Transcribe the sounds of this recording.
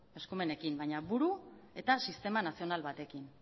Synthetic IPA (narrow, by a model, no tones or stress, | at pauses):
e̞skume̞ne̞kimbajɲaβuɾue̞t̪asist̪e̞manasio̞nalβat̪e̞kin